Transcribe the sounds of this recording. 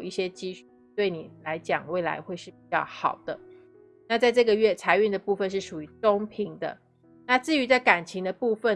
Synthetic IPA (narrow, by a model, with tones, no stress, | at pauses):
i˥˩ɕjɛ˥t͡ɕi˥ɕt̪we˥˩ɪni˨˩la˧˦ɪt͡ɕjɑ̰˨˩ŋwe˥˩ɪla̰˧˦ɪxwe˥˧ɪʂɻ̩˥˩p̚i˨˩t͡ɕjɑ̰˥˩ʊxɑ˨˩ʊd̪̥ə˦ | na˥˧t͡sa˥˧ɪʈ͡ʂɤ˥˩ɡə˨ɥɛ˥˩t͡sʰa˧˥ɪy˥˩nd̪ə˨˩pu˥˧fə˥˧nʂɻ̩˥˩ʂu˨˩y˧˥˦t͡so˥ŋpʰi˧˥ŋd̪ə̰˧˨ | na˥˧t͡sɻ̩˥˩y˧˥t͡sa˥˩ɪka˨˩nt͡ɕʰi˧˥ŋd̪ə˧pu˥˧fə˨